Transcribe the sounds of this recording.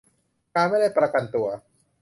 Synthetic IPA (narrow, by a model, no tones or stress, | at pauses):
kamɛlɛpəɾakant̪ua